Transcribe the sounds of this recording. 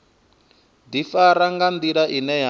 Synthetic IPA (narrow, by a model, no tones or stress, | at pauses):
d̪ifaɾaŋɡand̪iɺaʔinɛɦa